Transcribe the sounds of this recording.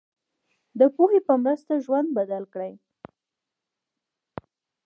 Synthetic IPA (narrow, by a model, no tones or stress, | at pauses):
d̪əpohepəmɾəst̪aʒwand̪̚bad̪alkɽəj